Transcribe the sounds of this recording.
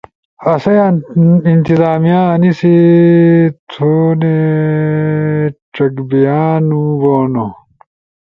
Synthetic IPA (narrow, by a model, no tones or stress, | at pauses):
ɐsɐjaint̪izaːmijãːnisi | t̪ʰoːne | ʈ͡ʂɐkbijaːnuboːno